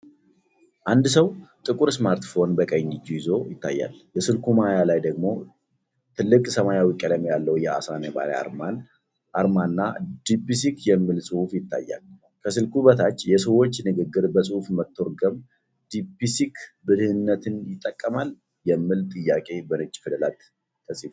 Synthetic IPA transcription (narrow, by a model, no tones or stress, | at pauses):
ʔand̪səwt̪ʼɨkʼuɾsmaɾt̪fo̞nbəkʼəɲːɪd͡ʒujɪzo̞jɪt̪ːa̰jːa̰lbəsɨlkʰumajalajd̪əɡmo̞ | t̪ʰɨlːɨkʼsəmajawikʼələmjalːəwjɛa̰saneba̰ɾ̰a̰ɾman | ʔaɾmanːad̪̥ipis̬ikjɛmːɨlsʼɨhufjɪt̪ʰːa̰jːa̰l | kʰəsɨlkuβət̪ʰat͡ʃːjɛsəwo̞t͡ʃːnɨɡɨɡːɨɾbəsʼɨhufmət̪ːo̞ɾɡəm | d̪̥ipisikʰbɨd̪hɨnːət̪ʰɨnjɪt̪ʼːəkʼːəmal | jɛmːɨlt̪ʼɨjːakʼe̞bənɨt͡ʃʼfɨd̪əlat̪ʰː | əsi